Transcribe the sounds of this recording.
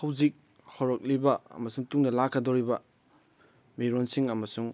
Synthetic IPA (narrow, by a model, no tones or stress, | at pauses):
hɐwzik̚ | howɾɐk̚libɐɐ̰mɐsuŋtuŋnɐlakʰːɐdoɾibɐ | miɾonsiŋɐmɐsuŋ